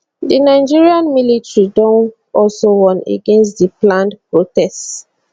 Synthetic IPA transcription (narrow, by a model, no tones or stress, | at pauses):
dinaɪd͡ʒiɹiãnmilitɹidɔ̃n | ɔlsowɔ̃nḛɡẽns̬tdiplãndpɹotɛst